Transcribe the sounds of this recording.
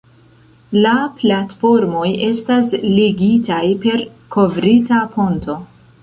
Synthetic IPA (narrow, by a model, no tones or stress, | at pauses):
laplatfo̞ɾmo̞je̞stasliɡitajpe̞ɾ | kʰo̞vɾitapʰo̞nto̞